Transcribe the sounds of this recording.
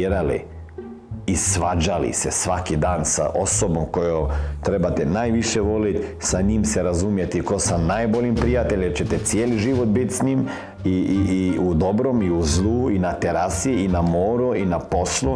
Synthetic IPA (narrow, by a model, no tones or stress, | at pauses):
ɾalḭ | isʋad͡ʒalḭsesʋakid̪aːnsa̰ʔo̞sobomkojot̪ɾebat̪ɛnaːjʋiʃeʋo̞lit̪saɲimseɾazumjet̪ikosanajboʎimpɾijat̪eʎet͡ɕet̪et̪sjeːliʒiʋot̪̚bit̪sɲim | iiiud̪o̞bɾomiuzluːinat̪eɾasiinamoːɾuinapo̞slu